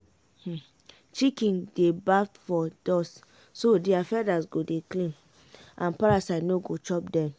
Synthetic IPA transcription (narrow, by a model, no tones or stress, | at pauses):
h̩ | t͡ʃikĩndebafɔdɔs | sodiafɛdasɡodeklĩn | ãnpaɾasadnoɡot͡ʃɔp̚dɛ̃m